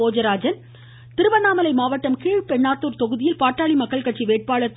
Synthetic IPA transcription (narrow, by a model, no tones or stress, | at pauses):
oːd͡ʒɐɾaːd͡ʒɐn | t̪ɪɾɯʋɐnaːmɐlɐɪmaːʋɐʈːɐmkeːɻpɛɳːaːt̪ːuːɾt̪ɔɣɯðɪjɪlpaːʈːaːɭimɐkːɐɭkɐʈ̚t͡ʃiʋeːʈ̚paːɭɐt̪ː